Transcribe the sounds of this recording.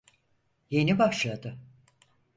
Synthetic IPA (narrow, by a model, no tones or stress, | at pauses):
je̞nibaʃlˠad̪ɯ